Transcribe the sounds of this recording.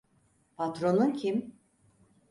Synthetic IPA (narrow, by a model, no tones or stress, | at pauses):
pʰat̪ɾo̞nuncʰim